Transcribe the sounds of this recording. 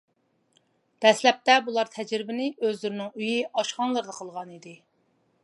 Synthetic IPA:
d̪̥ɛslɛp̚t̪ɛbulˠɑɾt̪ʰɛd͡ʒɾɪbɪnɪøzlyɾnɪŋyjiʔɑʃχɑnlˠəɾd̪əqʰəlˠʁɑnid̪ɪ

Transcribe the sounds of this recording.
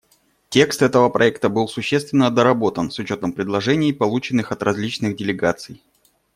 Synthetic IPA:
tʲe̞kst̪ɛt̪əvəpɾʔɐɛk̚t̪əbɨlˠsʊɕːest̪vʲɪnːəd̪əɾɐbo̞t̪ənsʊt͡ɕo̞t̪əmpɾʲɪdlˠɐʐɛnʲɪpɐlˠut͡ɕɪnːɨxɐt̪rɐzʲlʲit͡ɕnɨɣdʲɪlʲɪɡat̪sɨj

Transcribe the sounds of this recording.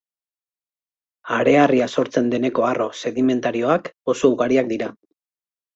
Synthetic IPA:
aɾe̞ariaso̞ɾt͡se̞nd̪e̞ne̞ko̞arʔo̞se̞ðime̞nt̪aɾio̞ako̞so̞uɣaɾiak̚d̪iɾa

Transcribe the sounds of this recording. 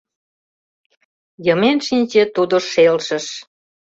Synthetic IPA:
jəmenʃinʲt͡ɕĕt̪ud̪oʃelʃə̆ʃ

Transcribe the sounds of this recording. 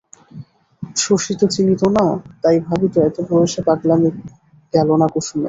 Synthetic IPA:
ʃoʃit̪ot͡ɕinit̪onat̪ajbʱabit̪oɛt̪opɾoeʃepaklami | ɡɛlonakuʃumḛ

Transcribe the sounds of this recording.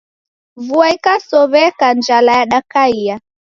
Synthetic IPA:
vuaikasɔβɛkand͡ʒalajaɗakaia

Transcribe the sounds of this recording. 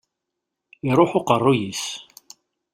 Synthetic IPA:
iɾˤoħʊqərˤːujis

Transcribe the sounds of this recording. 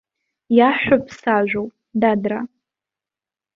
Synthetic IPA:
jaħʷᶣapʰsaʒʷᶣowpʼ | dadra

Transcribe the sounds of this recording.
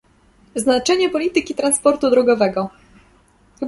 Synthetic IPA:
znat͡ʂɛɲɛpɔlʲit̪ɘkʲit̪ɾanspɔɾt̪ud̪ɾɔɡɔvɛɡɔ | xɘ

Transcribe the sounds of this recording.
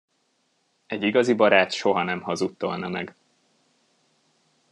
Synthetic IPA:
ɛɟːiɡɒzibɒɾaːt̪ʃo̞ɦɒnɛmhɒzut̪ːo̞lnɒmɛ̰ɡ

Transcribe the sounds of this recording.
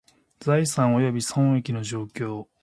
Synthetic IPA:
d͡zaisãɰ̃o̞jo̞bʲisõ̞ŋ̃ekʲino̞ʑo̞ːkʲo̞ː

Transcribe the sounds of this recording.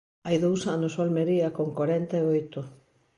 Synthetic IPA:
ajðowsanʊsolmeɾiɐkoŋkoɾɛnt̪aeojt̪ʊ

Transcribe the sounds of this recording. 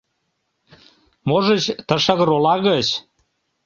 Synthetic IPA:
moʒə̆t͡ɕt̪əʃə̆ɣə̆ɾolɑɣət͡ɕ

